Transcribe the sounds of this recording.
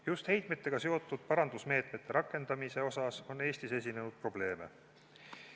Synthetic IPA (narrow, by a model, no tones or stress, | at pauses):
just̪he̞jt̪met̪ːˑe̞ɡ̥ɑse̞o̞t̪ːˑud̪̥̚pɑɾɑnd̪usme̞ːt̪me̞t̪ːe̞ɾɑkːˑe̞nd̪̥ɑmise̞o̞sɑso̞nːe̞ːsʲt̪ise̞sʲine̞nud̪̥̚pro̞ble̞ːme̞̰